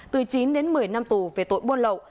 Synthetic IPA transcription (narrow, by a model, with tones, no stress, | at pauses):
t̪ɨ˨˩t͡ɕi˨˦nɗe˨˦nmɨ˨˩əjna˧mt̪u˨˩ve˨˩t̪o̰˧˨jɓu˧ənlə̰˧˨wʔ